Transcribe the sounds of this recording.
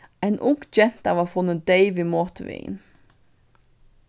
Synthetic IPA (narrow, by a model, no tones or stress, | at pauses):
æɪnʔʊɡd͡ʒɛnt̪ɑʋɑfʊnəd̪eɪʋɪmɔt̪əʋɪ̰n